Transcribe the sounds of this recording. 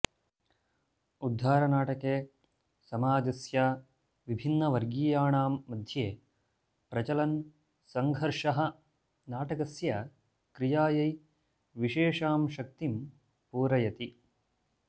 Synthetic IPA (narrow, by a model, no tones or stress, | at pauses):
ud̪ʱːaːɾɐnaːʈɐkeː | sɐmaːd͡ʒɐsja | ʋibʱinːɐʋɐɾɡiːjaːɳaːmːɐd̪ʱjeː | pɾɐt͡ʃɐlɐn | sɐŋɡʱɐɾʂɐɦɐ̆ | naːʈɐkɐsjɐ | kɾijaːjɐj | ʋiʃeːʂaːmʃɐk̚t̪im | puːɾɐjɐt̪i